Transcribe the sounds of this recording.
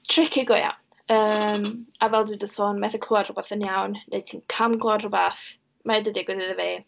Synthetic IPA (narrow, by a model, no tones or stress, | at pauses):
tʰr̥ɪkʰɪɡɔja̰wn | əːmavɛlˠdɨdəsoːnmɛθəkʰluad̥rʊbaθənjawnːḛjtʰiːnkʰamɡlɔadrʊbaθ | maɛdədɪɡwɪðɨðəveː